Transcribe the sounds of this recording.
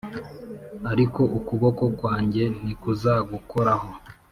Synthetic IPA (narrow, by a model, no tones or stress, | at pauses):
aɾiko̞ʔukuβo̞ko̞kwaːɲɟe̞n̥ikuzaɡuko̞ɾaho̞